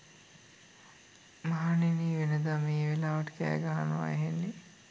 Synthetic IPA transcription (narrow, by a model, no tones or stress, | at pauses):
maɦaniniːʋenəd̪ameːʋelaːʋɐʈə̥kæ̰ːɡaɦanəʋa̰eɦenːe